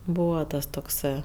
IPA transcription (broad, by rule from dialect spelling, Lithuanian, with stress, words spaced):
ˈbuːʋɐ ˈtɐs toːkˈsɜ